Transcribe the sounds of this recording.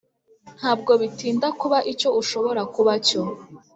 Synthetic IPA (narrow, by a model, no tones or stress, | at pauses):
n̥haːb̚ɡo̞βitiːndakuβaʔico̞uʃo̞βo̞ɾakuβaco